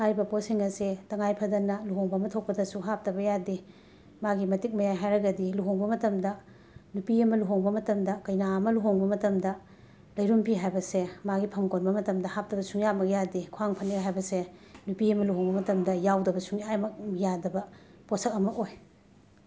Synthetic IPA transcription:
hajbɐposiŋɐsetɐŋajpʰɐdɐnːɐluɦoŋbɐmɐtʰok̚pɐdɐsuɦap̚tɐbɐjadi | maɡimɐtik̚mɐjajɦajɾɐɡɐdiluɦoŋbɐmɐtɐmdɐ | nupiɐmɐluɦoŋbɐmɐtɐmdɐkɐjnaɐmɐluɦoŋbɐmɐtɐmdɐ | lɐjɾumpʰiɦajbɐsemaɡipʰɐmkonbɐmɐtɐmdɐhap̚tɐbɐsuŋjamɐk̚jadikʰuaŋpʰɐnːiɦajbɐsenupiɐmɐluɦoŋbɐmɐtɐmdɐjawdɐbɐsuŋjamɐk̚jadɐbɐposɐk̚ɐmɐkoj

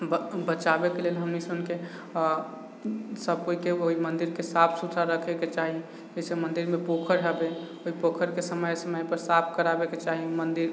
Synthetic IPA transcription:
bbət͡ʃabekelelɦəmːisonke | səb̚koikeoɦimənd̪iɾkesapʰsut̪ʰaɾəkʰeket͡ʃaɦi | oisemənd̪iɾmepokʰəɾɦɛbeoɦipokʰəɾkesəməjsəməjpəɾsapʰkəɾabeket͡ʃaɦimənd̪iɾ

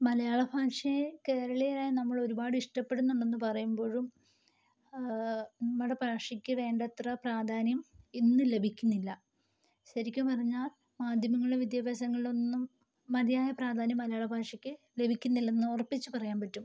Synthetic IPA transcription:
mɐlɐjaːɭɐbʱaːʂɐke̞ːɾɐɭejlaːjɐnɐmːɐɭo̞ɾubaːɽɨiʂʈɐpːe̞ɽunːuɳɖe̞nːɨpɐrɐjumbo̞ːɻum | nɐmːɐɽepaːʂikʲːɨʋe̞ːɳɖɐt̪rɐpraːd̪ʱaːnjɐminːɨle̞bʱikʲːunːilːɐ | ɕɐɾikʲːupɐrɐɲːaːl | maːd̪ʱjɐmɐŋːɐɭɽeʋid̪jɐbɐːsɐŋːɐɭilo̞nːumː | ɐd̪ijaːjɐpraːd̪ʱaːnjɐmːɐlɐjaːɭɐbʱaːkʂɐkʲːɨ | le̞bʱikʲːunːilːɐenːɨorpːit͡ɕːupɐrɐjaːmpɐʈːum

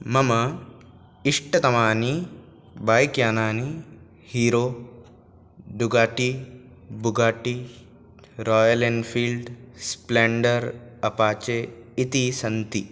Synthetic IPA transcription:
mɐmɐ | iʂʈɐt̪ɐmaːni | baːjkjaːnaːni | hiːɾoː | ɖuɡaːʈi | buɡaːʈi | ɾoːjɐlenfʰiːlɖspleɳɖɐɾɐpaːt͡ʃeit̪isɐnt̪i

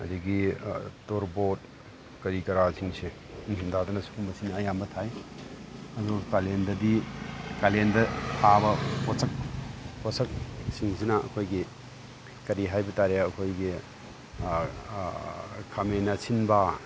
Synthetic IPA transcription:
ɐ̰diɡitoɾbot̚ | kɐɾikɐɾasiŋse | dadɐnɐsu̥kʰumbɐsinɐːjambɐtʰaj | ɐzukalendɐdikalendɐtʰabɐposɐk̚pʰosɐk̚siŋsinɐɐ̰kʰojɡi | kɐɾiɦajbɐtaɾeɐkʰojɡi | kʰamenɐsʰinba

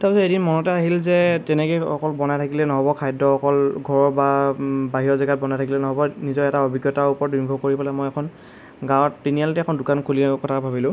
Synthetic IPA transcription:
tapɛsɔedinmɔnɔtɛaɦilzɛtɛnɛkojɔkɔlbɔnajtʰakilɛnɔɦɔbɔkʰajdɔɔkɔlɡʱɔɹɔbabaɦiɔzɛɡat̚bɔnajtʰakilɛnɔɦɔbɔnizɔɹɛtaobʱiɡjɔtaɹupɔɹɔt̚inbʱɔkoɹipalɛmɔjɛkʰɔn | ɡãwɔtːinijalɔtɛɛkʰɔndʊkankʰuliakɔtʰabʱabilʊ̃

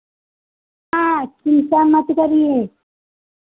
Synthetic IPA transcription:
ãkinsamət̪kəɾie

